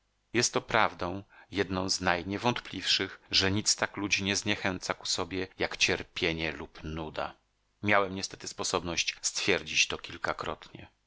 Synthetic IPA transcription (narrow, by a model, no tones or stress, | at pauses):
jɛst̪ːɔpɾavd̪ɔ̃w̃jɛd̪nɔ̃w̃znajɲɛvɔnt̪plʲifʂɘxʐɛɲit̪st̪aklud͡ʑiɲɛzɲɛxɛnt̪saku̥sɔbʲjɛjakt͡ɕɛɾpʲjeɲɛlupnud̪a̰ | mʲjawɛmɲɛst̪ɛ̥t̪ɘspɔsɔbnɔɕt͡ɕst̪fʲjɛɾd͡ʑit͡ɕt̪ɔkʲilkakɾɔt̪ɲɛ̰